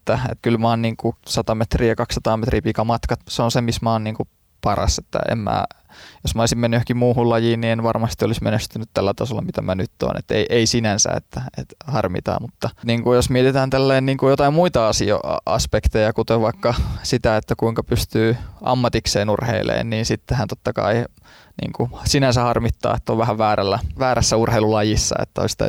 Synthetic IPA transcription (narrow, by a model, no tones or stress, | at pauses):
et̪ːæḛt̪kylmɑːnniːŋkusɑt̪ɑmet̪riːjɑkɑksːɑt̪ɑːmet̪riːpikɑmɑt̪kɑt̪seonsemismɑːnniːŋku | pɑrɑ̰set̪ːæ̰ḛmmæ̰ː | josmæolisimenːyhkimmuːhulɑjiːnnienʋɑrmɑst̪iolismenest̪ynyt̪t̪ælːæt̪ɑ̰solːɑmit̪æmænyt̪ːo̰ːnḛt̪ːḛiʔeisinænsæ̰ḛt̪ːæḛt̪hɑrmḭt̪ɑ̰ːmmut̪ːɑniːŋkujosmiet̪et̪æːnt̪ælːæinniːŋkujot̪ɑimmuit̪ɑɑsio̰ɑ̰ɑ̰spekt̪ejɑkut̪oʋɑikːɑsit̪æet̪ːækuiŋkɑpyst̪yːʔɑ̰mːɑt̪ikseːnurhḛilḛːnniːnsit̪ːehænt̪ot̪ːɑkɑ̰i | nḭːŋkusinænsæhɑrmit̪ːɑ̰ːet̪ːoʋʋæhæʋʋæːɾælːæʋæːɾæsːæurheilulɑjisːɑ̰ḛt̪ːæo̰ist̪æ̰